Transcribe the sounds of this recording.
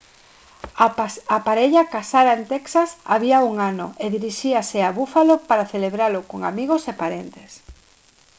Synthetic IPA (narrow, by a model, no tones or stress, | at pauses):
apaɾeʎakasaðaent̪ɛksasa̰βiauŋanʊ̰eðiɾiʃiaseaβufalopaɾaθeleβɾalʊkoŋa̰miɣosepaɾent̪es